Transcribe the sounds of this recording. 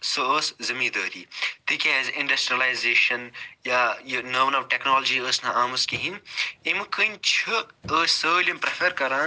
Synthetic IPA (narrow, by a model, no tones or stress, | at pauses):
soəːszɐmiːd̪ɐːɾḭːt̪ikʰʲezĩɳɖɐsʈɾiɐlajzeːʃɐnjaːjinɐːmnɐʋʈeknoːlɐd͡ʒiːəːsnaaːmɐskiɦĩnimkʰənʲt͡ʃʰɨəːssəːlʲimpɾefʰeɾkɐɾaːn